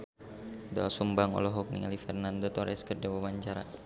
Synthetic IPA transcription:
d̪ɔasumbaŋɔ̰lɔɦɔk̚nḭŋalifɛrnand̪ot̪ɔɾʔɛskərd͡ʒawamaɲt͡ʃaɾa̰

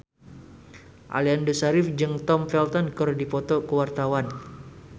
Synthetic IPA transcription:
ʔa̰liandusaɾɪfd͡ʒɨŋt̪ɔmfɛlt̪ɔnkɔrdipɔt̪ɔkəwart̪awan

